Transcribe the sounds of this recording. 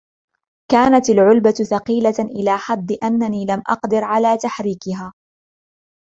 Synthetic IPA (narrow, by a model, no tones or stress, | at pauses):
kaːnat̪alʕʊlbaθɑqiːlaʔɪlaːħɑd̪ˤːɨʔanːaniːlamʔɑ̰qd̪ɪɾʕalaːt̪aħɾiːkɪɦaː